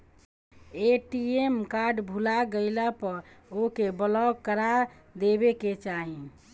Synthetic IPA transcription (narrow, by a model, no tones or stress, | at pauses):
eʈiemkaɾɖbʱulaɡəɪlapəɾokebəlɔkəɾa | d̪ebeket͡ʃaɦĩ